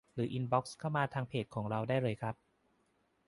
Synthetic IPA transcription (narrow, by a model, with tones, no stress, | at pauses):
ɾɯː˩˦ʔi˧nbɔ˦˥k̚skʰa˥˩wmaː˧t̪ʰaː˧ŋpʰeː˨˩t̪̚kʰɔː˩˦ŋɾa˧wdaː˥˩jɾɤː˧jkʰɾa˦˥p̚